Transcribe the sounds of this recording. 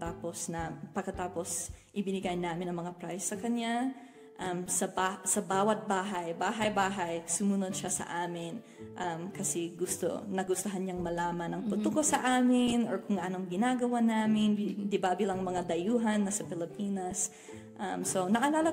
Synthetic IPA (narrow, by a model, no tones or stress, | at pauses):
t̪aːpo̞snɐpɐɡkːɐt̪aːpo̞sʔɪbɪnɪɡajnaːmɪnɐŋmɐŋapɾajsːɐkɐɲa | ʔɐmsɐbasɐbaːwɐt̪̚baːɦɐjbaːɦɐjbaːɦɐjsʊmʊnod̪̚ʃasɐ̰ʔaːmɪn | ʔɐmkɐsɛɡʊst̪o̰nɐɡʊst̪ɐɦanɲaŋmɐlaːmɐnɐŋpʊt̪ukosɐʔaːmɪnoɹkʊŋɡɐʔanoŋɡɪnaːɡɐwanaːmɪnd̪ɪbaːbɪlɐŋmɐŋad̪ɐjuːɦɐnːɐsɐpɪlɪpiːnɐs | ʔɐmso̞nɐʔɐlaːlɐ